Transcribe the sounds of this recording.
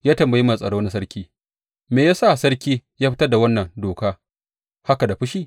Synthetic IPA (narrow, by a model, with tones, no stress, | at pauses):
jaː˦tɐ˨mbji˦ma˨sʼɐ˨ɽoː˦na˦sɐ˦ɾkʲiː˦ | meː˨jaː˦sa˦˨sɐ˦ɽkʲiː˦jaː˦ɸɪ˦tɐ˦rda˨wɐ˦nːɐ˨ŋdoː˨kaː˦ | ha˦ka˨da˨ɸʊ˦ʃiː˦˨